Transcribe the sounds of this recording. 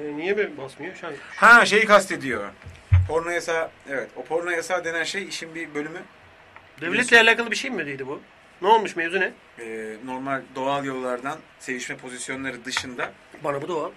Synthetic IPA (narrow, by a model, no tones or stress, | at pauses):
ɛnijɛbibasmɯjoʃanhaːʃe̞jikʰast̪ʰe̞d̪ijo̞ | pʰo̞ɾnajasaːevɛt̪opʰo̞ɾnajasaːd̪e̞nænʃejiʃinbibø̞lʲymy | d̪ɛvlʲɛt̪lʲɛalʲaːkʰalˠɯbiʃejmyd̪ejd̪ibʊ | nɛolˠmuʃmevzynɛ | ɛːno̞ɾmalʲd̪o̞alˠjo̞lˠːaɾd̪an | se̞viʃmɛpʰo̞zisjo̞nlˠaɾɯd̪ɯʃɯnd̪a | banabud̪o̞alˠ